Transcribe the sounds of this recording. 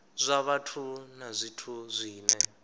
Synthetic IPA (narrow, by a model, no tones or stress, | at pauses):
zʷaβatʰunazʷitʰuzʷiːnɛ